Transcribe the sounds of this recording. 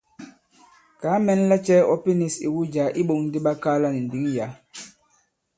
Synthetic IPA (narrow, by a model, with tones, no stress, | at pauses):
kaː˨˦mɛ˦n˦la˦t͡ʃɛ˦ɔ˦pi˦ni˨sḭ˨wu˦d͡ʒa˨˦ʔi˦ɓo˨ŋn˦di˦ɓa˦ka˦la˦ni˨n˨di˨˦ŋja˨˦